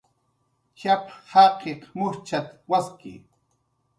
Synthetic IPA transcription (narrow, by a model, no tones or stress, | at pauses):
ʃaphɑqeqmʊɾt͡ʃat̪waskɪ̰